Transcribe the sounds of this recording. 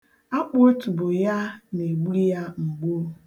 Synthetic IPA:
a˦k͡po˦o˦tu˨bʊ˨ja˦ne˨ɡ͡bu˦i˦ja˦ŋ͡m̩˨ɡ͡bo˦

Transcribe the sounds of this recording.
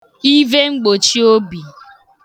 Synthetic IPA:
i˦ve˦ŋ͡m̩˦ɡ͡bo˨t͡ʃi˦o˦bi˨

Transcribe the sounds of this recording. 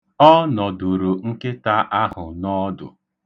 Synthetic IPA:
ɔ˦nɔ˨du˨ɾu˨ŋ̩˦ke˦ta˦ʔa˦ɦʊ˨nɔ˦dʊ̰˨

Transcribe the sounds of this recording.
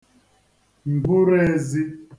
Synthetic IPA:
m̩˨bu˦ɾɛ˦zi˦

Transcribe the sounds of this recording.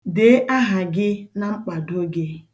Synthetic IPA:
de˨˦ʔa˦ɦa˨ɡɪ˦na˦ŋ͡m̩˦k͡pa˨do˦ɡe˦

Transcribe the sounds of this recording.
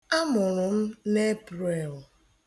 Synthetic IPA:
a˦mʊ˨ɾʊ˨m̩˦ne˦pɾe˨l

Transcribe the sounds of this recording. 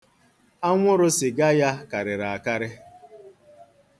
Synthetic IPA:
a˦ŋʷʊ˦ɾʊ˦sɪ˨ɡa˦ja˦ka˨ɾɪ˨ɾa˨a˨ka˦ɾɪ˦

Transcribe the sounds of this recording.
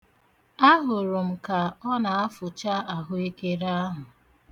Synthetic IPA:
a˦ɦʊ˨ɾʊ˨m̩˨ka˨ɔ˦na˨a˦fʊ˨t͡ʃa˦a˨ɦʊ˦i˦ke˦ɾa˦ɦʊ˨

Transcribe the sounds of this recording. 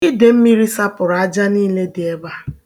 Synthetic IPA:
i˦de˨m̩˦mi˦ɾi˦sa˦pʊ˨ɾa˨a˦d͡ʒa˦niː˦le˦dɪ˨e˦ba˦

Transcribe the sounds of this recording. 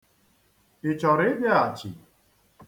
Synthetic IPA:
ɪ˨t͡ʃɔ˨ɾɪ˦ba˦a˨t͡ʃḭ˨

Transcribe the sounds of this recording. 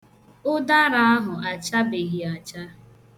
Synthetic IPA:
ʊ˦da˦ɾa˦a˦ɦʊ˨a˨t͡ʃa˦be˨ɣi˨a˨t͡ʃa˦

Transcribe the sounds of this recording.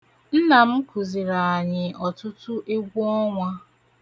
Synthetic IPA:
n̩˦na˨m̩˦ku˨zi˨ɾa˨a˨ɲɪ˨ʔɔ˨tʊ˦tʊ˦ʔe˦ɡʷu˦ɔ˦ŋʷa˦

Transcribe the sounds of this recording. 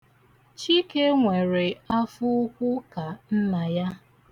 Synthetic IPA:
t͡ʃi˦ke˦ŋʷe˨ɾe˨a˦fʊ˦kʷʊ˦ka˨n̩˦na˨ja˦

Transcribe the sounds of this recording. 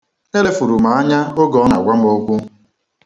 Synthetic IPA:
e˦le˦fu˨ɾu˨ma˨a˦ɲa˦o˦ɡɔ˨˦na̰˨ɡʷa˦m˦o˦kʷu˦

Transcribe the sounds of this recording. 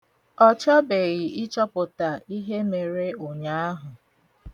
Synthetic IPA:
ɔ˦t͡ʃa˦be˨ɣɪ˨ʔɪ˦t͡ʃɔ˦pʊ˨ta˨i˦ɦe˦me˨ɾe˦o˨ɲa˦a˦ɦʊ˨

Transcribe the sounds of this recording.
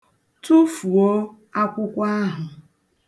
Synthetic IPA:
tu˦fu˨o˦ | a˦kʷʊ˦kʷa˦ɦʊ˨

